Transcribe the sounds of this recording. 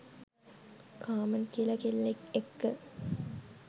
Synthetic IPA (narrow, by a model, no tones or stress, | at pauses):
kʰaːmənkilɐkilːekekːə